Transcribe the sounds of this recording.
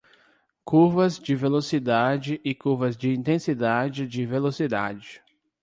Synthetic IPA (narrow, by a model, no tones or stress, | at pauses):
kuɾvɐzd͡ʒɪvelosid̪ad͡ʒɪʔɪkuɾvɐzd͡ʒɪĩnt̪ẽsid̪ad͡ʒɪd͡ʒɪvelosid̪a̰d͡ʒɪ